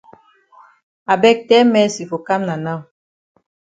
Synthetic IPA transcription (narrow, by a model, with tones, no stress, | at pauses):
a˨bɛ˦˨k̚tɛ˦mɛ˦si˨fo˨ka˦mna˨na˦˨w